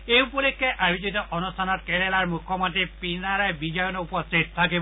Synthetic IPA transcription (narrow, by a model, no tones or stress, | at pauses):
ejupɔlikʰːɛʔabʱititɔʔɔnustʰanɔt̚kɛlɛlaɹmukʰːɔmɔntɹipinaɹajbid͡ʒɔjɔnɔupɔstʰit̚tʰːakib